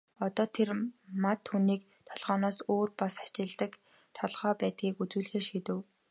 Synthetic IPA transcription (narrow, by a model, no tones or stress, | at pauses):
ɔt̪ɔːt̪ʰermat̪ʰːuːniːk | t̪ʰɔɮʁ̥ɔːnɔːsoːrpasḁt͡ɕɪ̆ɮt̪ə̆k | t̪ʰɔɮʁ̥ɔːpæːt̪̚ɡiːkut͡suːɮxeːʃit̪ɘ̆w